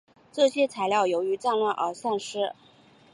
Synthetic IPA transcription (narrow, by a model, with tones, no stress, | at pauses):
ʈ͡ʂɤ˥˩ɕjɛ˥t͡sʰa˧˥ɪljɑ˥˩ʊjo˧˥ʊy˧˥ʈ͡ʂa˥˧nlwa˥˩nʔə̰˞˧˥sa˥˩nʂɻ̩˥